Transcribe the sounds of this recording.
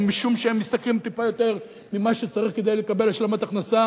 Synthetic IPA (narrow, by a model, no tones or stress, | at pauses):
miʃumʃeemːist̪aklimt̪ipajo̞t̪e̞ʁ | mimaʃet͡saʁiχke̞d̪ajle̞kabe̞laʃlemat̪aχnasa